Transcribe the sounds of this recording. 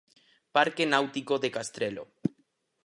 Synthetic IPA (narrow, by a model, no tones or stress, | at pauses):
paɾkenawt̪ikoðekast̪ɾelo̰